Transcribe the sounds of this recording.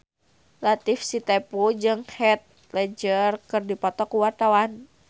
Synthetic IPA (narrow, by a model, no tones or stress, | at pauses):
lat̪ifsit̪ɛpud͡ʒɨŋhɛt̪̚ | plɛd͡ʒərkɨrdipɔt̪ɔkuwart̪awan